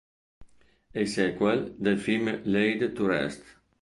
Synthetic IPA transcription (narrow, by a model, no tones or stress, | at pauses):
esɛkwɛld̪elfilmlejd̪t̪uɾɛ̰st̪